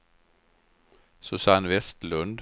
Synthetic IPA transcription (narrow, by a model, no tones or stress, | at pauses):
soːsɑːɑnʋɛst̪lʉnd̪